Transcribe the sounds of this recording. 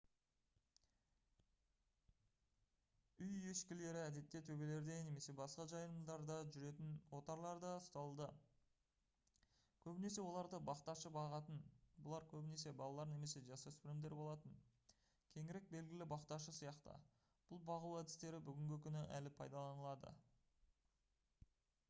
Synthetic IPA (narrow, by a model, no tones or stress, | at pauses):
ʏjeʃkʲɪle̞ɾɪæd̪e̞t̪ːe̞t̪ʰɵbe̞le̞ɾd̪e̞ne̞me̞se̞bɑsqɑʒɑjəmd̪ɑɾd̪ɑʒʏɾe̞t̪ɪnwo̞t̪ɑɾlˠɑɾd̪ɑst̪ɑlˠd̪ə | kʲʰɵbɪne̞s̬e̞wo̞lˠɑɾd̪əbɑqt̪ɑʃəbɑʁɑt̪ənbʊlˠɑɾkʲʰɵbɪne̞s̬e̞bɑlˠɑlˠɑɾne̞me̞se̞ʒɑsøspɪlɪmd̪eɾbo̞lˠɑt̪əŋ | kʲʰe̞ŋɪɾe̞k̚be̞lɡʲɪlɪbɑqt̪ɑʃ̬əsijɑqt̪ə̰ | b̥ʊlˠbɑʁuwæd̪ɪst̪e̞ɾɪbʏɡʲɪŋɡʲɪkʲʰʏnɪʔæ̰lɪpʰɑjd̪ɑlˠɑnəlˠɑd̪ə̰